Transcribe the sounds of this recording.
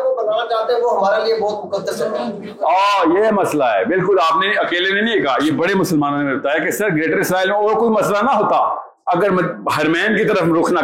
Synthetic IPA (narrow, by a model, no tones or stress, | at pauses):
obɐnaːnat͡ʃaːɦt̪ẽɦɛ̃ʋoɦɐmaːɾeliebɔːt̪mʊkəd̪ːəɾsɐt̪aɛ̃ | ɔːjemɐslaɦɛːbɪlkʊlaːpneɐkeːlenɐɦĩekaːjebɐɽemʊsəlmaːnõneeoɦt̪aɦɛkesɐɾɡɾeːʈəɾɪsɾaːilmẽɔːɾkoimɐslanɐɦoːt̪aː | ɐɡəɾmɦɐɾmɛːnkit̪ɐɾəfɾoːkʰna